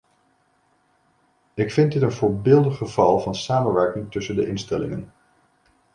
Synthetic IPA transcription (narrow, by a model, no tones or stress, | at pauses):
ɪkfɪndɪtənvʊːɹbɪːlˠdəχəv̥ɑlˠvɑnsaːmənʋɛɹkɪŋtɵsəndəʔɪnstɛlɪ̰ŋən